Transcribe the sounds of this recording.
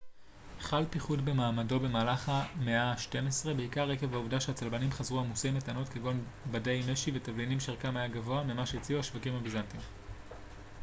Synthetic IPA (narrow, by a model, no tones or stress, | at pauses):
χalpiχudbe̞maːmado̞be̞maːlaχameaʃte̞mesʁe̞beikaʁːe̞kevauvdaʃeat͡salbanimχazʁuamuse̞jmetano̞tkeɡo̞nbade̞jmeʃive̞tavlinimʃeʁkamajaɡavo̞amemaʃeit͡siuhaʃvakimabizantim